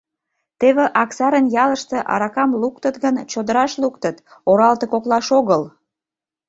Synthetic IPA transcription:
t̪eβeʔɑksɑɾənjɑləʃt̪eʔɑ̰ɾɑkɑmluk̚t̪ət̪ɡənt͡ɕod̪əɾɑʃlukt̪ət̪oɾɑlt̪ə̆koklɑʃoɣəl

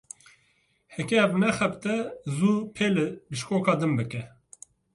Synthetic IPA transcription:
hɛkʲɛːvnɛxɛpt̪ɛzuːpʰeːlɨbɨʃkoːkʰɑːd̪ɨmbɨkɛ

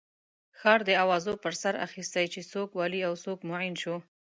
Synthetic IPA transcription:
xɑɾd̪əawɑzopəɾsaɾa̰xist̪ajt͡ʃesokwɑliawsokmoʕɪnʃu

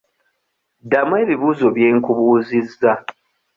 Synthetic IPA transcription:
damweːβiβuːzo̞βje̞ːŋkuβuːzizːa

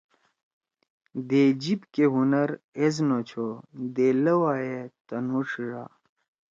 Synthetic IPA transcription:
d̪ed͡ʑibkeɦunɐɾeznot͡ɕʰod̪eːlɐwaːjet̪ɐnuʂiɾa̰ː

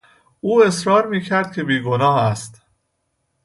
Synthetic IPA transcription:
ʔuːe̞sɾɒːɾmiːcʰæɾd̪̥̚cʰe̞biːɡo̞nɒːɦæst̪

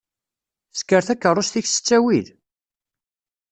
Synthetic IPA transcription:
θskːəɾθækːərˤːʊst̪içsə̥t͡sːæwið

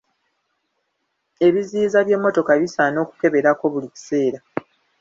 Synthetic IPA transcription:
e̞βiziːzaβje̞mːo̞to̞kaβisano̞ːku̥ke̞βe̞ɾako̞βulici̥se̞ːɾa

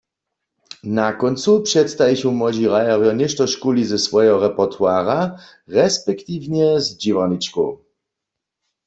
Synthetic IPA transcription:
nakɔnsupʂɛt̪st̪ajɛɕɔwmɔd͡ʑiʁajɛʁjɔɲɛʃtɔʃkulizɛsvɔjɛɦɔʁɛpɔʁt̪ʰwaːʁa | ʁɛspɛkt̪ivɲɛzd͡ʑivanit͡ʃko̰

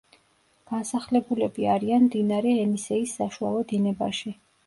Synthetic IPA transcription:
ɡ̥ansaχlɛbulɛbiaɾianmd̪inaɾɛːmisɛisːaʃua̰lˠɔd̪inɛbaʃi

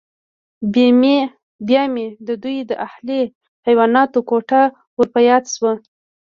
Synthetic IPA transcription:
beme | bjɑmed̪əd̪ujd̪əʔahle | hajwɑnɑt̪okoʈa | wəɾpajɑt̪swə

